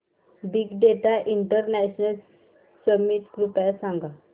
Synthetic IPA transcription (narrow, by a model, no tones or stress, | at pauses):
biɡɖeʈaʔiɳʈəɾnæɕnəl | səmiʈɡɾupasãŋɡa